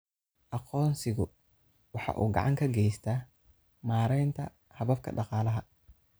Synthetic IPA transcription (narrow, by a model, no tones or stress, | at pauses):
ʔɑqɔːnsɪɣʊ | wɑħɑ̰ːʔṵːɡɑ̰ʕɑŋkʰɐɡɛjst̪ʰaː | maːɾɛjnt̪ʰɐ̰ | hɐβɐb̚kʰɐ̰ɖɑqɑːlɐɦɐ